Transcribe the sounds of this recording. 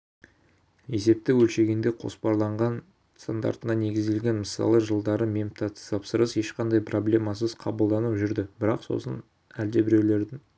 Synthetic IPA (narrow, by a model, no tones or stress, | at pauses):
e̞se̞p̚t̪ɪwɵlʃe̞ɡʲɪnd̪e̞qʰo̞̰spɑɾlˠɑɴʁɑn | st̪and̪a̰ɾt̪ənɑne̞ɡʲɪzd̪e̞lʲɡʲe̞nməsɑ̰lˠəʒəlˠd̪ɑɾəme̞mt̪ʰɑt̪ʰɑpsəɾəsje̞ʃqɑnd̪ɑjpro̞blʲe̞mɑs̬əz̥qʰɑbəlˠd̪ɑnupʒʏɾd̪ɪbɪɾɑqso̞̰sən | æld̪e̞bɪɾe̞wle̞ɾd̪ɪ